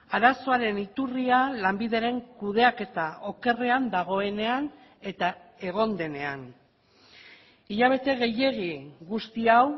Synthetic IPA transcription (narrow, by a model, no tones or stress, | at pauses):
aɾaso̞aɾe̞nit̪urialambiðe̞ɾe̞ŋkuð̞e̞ake̞t̪ao̞ke̞reand̪aɣ̞o̞e̞ne̞an | e̞t̪ae̞ɣ̞o̞nd̪e̞ne̞a̰n | iʎaβ̞e̞t̪e̞ɣe̞je̞ɣiɣust̪iaw